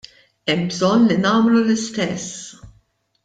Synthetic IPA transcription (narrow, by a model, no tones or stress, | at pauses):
ɛmbzɔnːlinɐːmlulɪst̪ɛsː